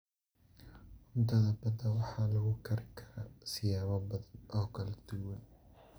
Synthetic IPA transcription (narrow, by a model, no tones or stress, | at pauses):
ʊmt̪ʰɐðɐbɐd̪ɐwɑħɑːlɐɣʊkʰɐɾɪkʰɐɾɐsɪjaːβɐbɐðɐnʔɔːkʰɐlɐd̪̥ʊwɐn